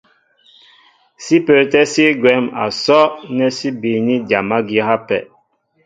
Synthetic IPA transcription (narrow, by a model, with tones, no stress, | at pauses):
si˦pə˨tɛ˦si˦ɡwɛ˨˦ma̰˨sɔ˦nɛ˦si˦bi˨ni˦dja˨ma˦ɡi˦ha˦pɛ̰˨